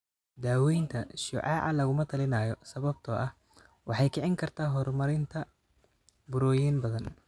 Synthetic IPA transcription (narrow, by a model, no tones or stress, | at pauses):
d̪aːwɛjnt̪ʰɐʃʊ̰ʕɑ̰ːʕɑ̰lɐɣʊmɐt̪ʰɐlɪnaːjɔsɐβɐb̚t̪ʰɔːʔɐh | wɑħɑjkʰɪʕɪŋkʰɐrt̪ʰaːɦɔrmɐɾɪnt̪ʰɐ | bʊɾɔːjiːnbɐðɐn